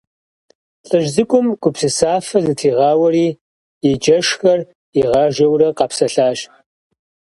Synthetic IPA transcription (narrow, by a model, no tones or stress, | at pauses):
ɬʼɨʒzɨkʷʼʊmɡʷʼʊpsɨsaːfɐzɨtʰiːʁɑːwɐriː | ɪd͡ʒɐʂxɐr | iʁɑːʒɐwrɐqɑpsɐɬaːʒ